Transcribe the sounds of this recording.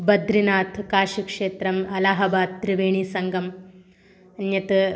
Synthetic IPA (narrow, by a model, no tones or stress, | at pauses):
bɐd̪ɾinaːt̪ʰkaːʃikʂeːt̪ɾɐmɐlaːɦɐbaːd̪ɾiʋeːɳisɐŋɡɐm | ɐnjɐt̪